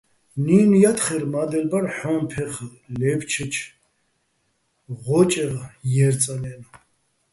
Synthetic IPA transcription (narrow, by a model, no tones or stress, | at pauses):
ninujat̪χɛɾmad̪ɛlbaɾħɔmpʰɛχ | lɛpt͡ʃʰət͡ʃʰ | ʁɔt͡ʃʼɛʁjɛɾt͡sʼanɛn